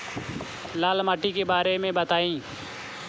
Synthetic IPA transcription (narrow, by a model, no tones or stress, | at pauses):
laːlmaːʈikebaːɾemẽːbət̪aːĩː